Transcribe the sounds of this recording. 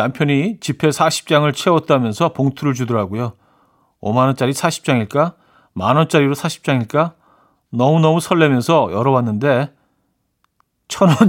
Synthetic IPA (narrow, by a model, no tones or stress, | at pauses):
nampʰjʌɲit͡ɕipʰe̞sʰaɕʰi̥p̚t͡ɕ͈aŋɯɭt͡ɕʰe̞ʌt͈̚amjʌnsʰʌpoŋtʰuɾɯɭd͡ʑudɯɾaɡojo | o̰manʌnt͡ɕ͈aɾisʰaɕʰi̥p̚t͡ɕ͈aŋiɭk͈a | manʌnt͡ɕ͈aɾiɾosʰaɕʰi̥p̚t͡ɕ͈aŋiɭk͈a | nʌmunʌmusʰʌɭːe̞mjʌnsʰʌjʌɾʌwanːɯnde̞ | t͡ɕʰʌnʌn